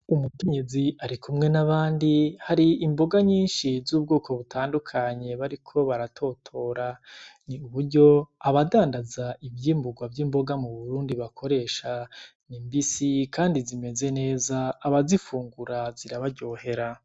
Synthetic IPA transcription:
umukeɲeziaɾikʰumŋe̞naβaːndihaɾiimbo̞ɡaɲiːnʃizuːb̚ɡoːkʰo̞βutʰaːndukʰaɲe̞βaɾikʰo̞βaɾatʰo̞ːtʰo̞ɾaniuβuɾɟo̞aβadaːndazaʔivjiːmbuɡwavjiːmbo̞ɡamuβuɾuːndiβakʰo̞ɾe̞ːʃa | nimbisikʰaːndizime̞ze̞ne̞ːzaːβazifuːŋɡuɾaziɾaβaɾɟo̞ːhe̞ɾa

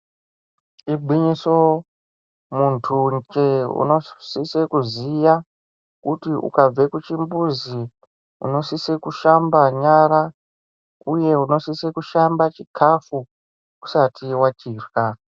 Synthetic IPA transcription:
ibʱwiɲiso̞ | muntʰud͡ʒeṵno̞sisekuzija | kutiʔṵkab͡vekut͡ʃimbuzi | ṵno̞sisekuʃambaɲaɾa | uje̞uno̞sisekuʃambat͡ʃikʰafu | ku̥satiwat͡ʃiːrwa

